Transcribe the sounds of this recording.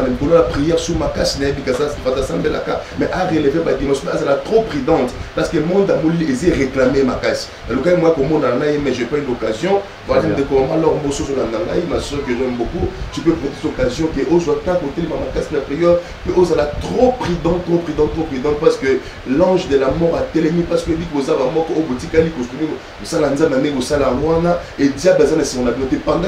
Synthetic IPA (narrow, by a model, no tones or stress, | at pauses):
mlikollapʁijɛʁsumakasinajabikasafaasãmbela̰kamɛʔaʁelevebadimãsɔ̃azalat̪ʁopʁyd̪ɑ̃t̪paʁsə̥kəmɔ̃nd̪amoliezeʁeklamemakasi̥ | alokaimoakomɔ̃ndaanajemɛʒɛpaynokazjɔ̃ | vwalad̪ekomamãalɔʁmosozwolanãŋɡa̰imassɔ̃kəʒɛmbokuʒ̥epepɛtitokazjɔ̃keʔozwatãkotɛlemamakasinapʁijɛʁ | peʔozalatʁopʁyd̪ɑ̃tʁopʁyd̪ɑ̃t̪ʁopʁyd̪ɑ̃pasə̥kə | lɑ̃ʒdelamɔʁatɛlemipasə̥kebikbozabamɔkɔojobotikalikostuni | osalanzãnadeiosalawanaedjabezanasiɔ̃nabinɔ̃tepaɡa